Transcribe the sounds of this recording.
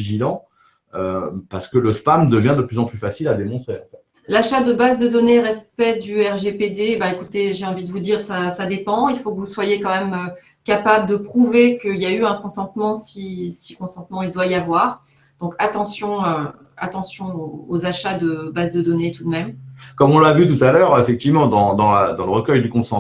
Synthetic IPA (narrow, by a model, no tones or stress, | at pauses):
viʒilɑ̃ | øpaʁsə̥kələspamd̪əvjɛ̃d̪əplyzɑ̃plyfasilad̪emɔ̃t̪χeɑ̃fɛt̪ | laʃad̪əbazd̪əd̪ɔneʁɛspɛd̪yɛʁʒeped̪ebaekut̪eʒeɑ̃vid̪əvud̪iʁsasad̪epɑ̃ilfokəvuswajekɑ̃mɛmø | kapabləd̪əpχuvekəiljayɛ̃kɔ̃sɑ̃t̪mɑ̃sisikɔ̃sɑ̃t̪mɑ̃ild̪waiavwaʁ | d̪̥ɔ̃kat̪ɑ̃sjɔ̃ø | a̰t̪ɑ̃sjɔ̃oːzaʃad̪əbazd̪əd̪ɔnet̪ud̪mɛmkɔmɔ̃lavyt̪ut̪alœʁefɛk̚t̪ivmɑ̃d̪ɑ̃d̪ɑ̃la̰d̪ɑ̃ləʁəkʲœjd̪ykɔ̃sɑ̃